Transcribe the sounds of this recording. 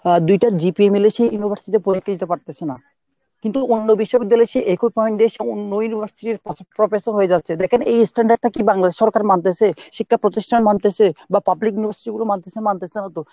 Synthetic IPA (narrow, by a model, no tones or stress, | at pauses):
d̪ujʈaɾd͡ʑipiemileʃejjunibʱaɾsit̪epoɾikʰːad͡ʑit̪epaɾt̪et͡ɕʰena̰ | kint̪uonːobiʃːobiɡd̪ːaleʃeʔekʰopɔjnɖeʃeonːojunibʱaɾsiʈiɾppɾofesoɾɦoed͡ʑat̪ːɕʰed̪ɛkʰenejsʈaɳɖaɖ̚ʈakibaŋlad̪eʃːɔɾkaɾmant̪et͡ɕʰeʃikʰːapɾot̪iʃʈʰanmant̪et͡ɕʰebapablikjunibʱaɾsi̥ʈiɡulomant̪et͡ɕʰemant̪et͡ɕʰenat̪o